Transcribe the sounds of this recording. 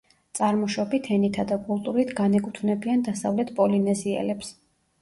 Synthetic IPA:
t̪sʼaɾmɔʃɔbit̪ʰɛnit̪ʰad̪akʼulˠt̪ʼuɾit̪ɡanɛkʼut̪ʰvnɛbiand̪asa̰vlɛt̪ʰpʼɔlinɛziɛ̰lɛps

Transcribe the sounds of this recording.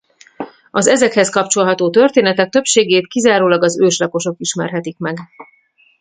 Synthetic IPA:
ɒzɛzɛkhɛskɒpt͡ʃo̞lɦɒt̪oːt̪ø̞rt̪eːnɛt̪ɛk̚t̪ø̞pʃeːɡeːt̪kizaːɾoːlɒɡɒzøːʃlɒko̞ʃo̞kiʃmɛ̰rɦɛt̪ikmɛɡ

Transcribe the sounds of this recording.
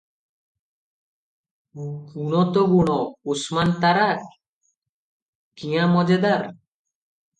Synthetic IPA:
ɡuɽɔt̪oɡuɽɔosmant̪aɾak | kĩãmɔd͡ʑed̪aɾ

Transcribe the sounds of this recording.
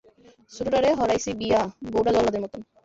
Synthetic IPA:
suɾuɖaɾeɦɔɾajsibijabowɖad͡ʑɔlːad̪eɾmɔt̪on

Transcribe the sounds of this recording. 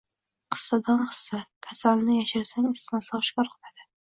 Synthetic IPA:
qʰɨ̥sːad̪anqʰɨ̥sːakʲʰasalnɪjaʃaɾsaŋɪst̪masɑʃkɒɾqʰɨ̥lad̪ɪ

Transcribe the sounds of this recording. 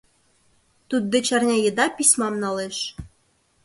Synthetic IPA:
t̪ud̪ːɤ̆t͡ɕɑrnʲejɤ̆d̪ɑpʲisʲmɑmnɑleʃ

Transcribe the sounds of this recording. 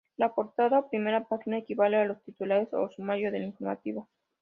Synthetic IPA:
lapo̞ɾt̪aðaopɾime̞ɾapaxinaekiβalealo̞st̪it̪ulaɾe̞so̰sumaɾjoðeliɱfo̞ɾma̰t̪iβo

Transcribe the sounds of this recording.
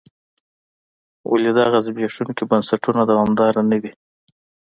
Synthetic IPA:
wʔa̰led̪ɑɣazabd͡ʒakʂunkibansaʈunad̪awamd̪ɑɾanəwi

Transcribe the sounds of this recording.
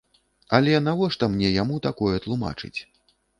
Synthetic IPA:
ɐlʲɛnavɔʂt̪ɐmnʲɛjamut̪akɔjɛt̪lˠuma̰t͡ʂɨ̰t͡sʲ

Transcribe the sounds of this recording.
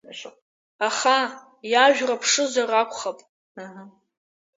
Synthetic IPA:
aχa | jaʒᶣrapʰʂɨzarakʷʰʼχapʼ | aɦa

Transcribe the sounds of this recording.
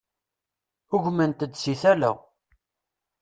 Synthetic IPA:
ʊʝmənt̪əd̪siθælæ̰

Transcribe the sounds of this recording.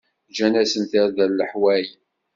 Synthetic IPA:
d͡ʒænæsənθiɾðælːəħwæj

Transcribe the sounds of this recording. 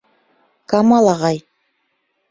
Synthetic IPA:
kɑmɑlˠɑʁɑj

